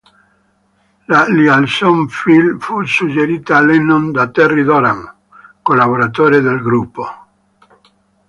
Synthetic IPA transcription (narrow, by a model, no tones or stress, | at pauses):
lalialsomfilfusud͡ʒeɾiːt̪aːlenond̪at̪erid̪oɾam | kolaβoɾat̪oːɾed̪elɡɾupːo